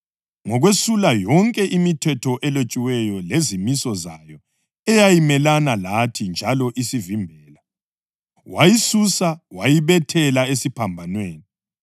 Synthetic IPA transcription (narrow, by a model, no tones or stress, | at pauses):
ŋɔɣwesulajɔŋkʼɛʔimitʰɛtʰɔʔɛlot͡ʃʼiwɛjɔlezimisɔzajɔ | ɛjajimɛlanalatʰind͡ʒʱalɔʔisivimbʱɛːla | wajisusawajiβɛtʰɛlaesipʰambʱanweːni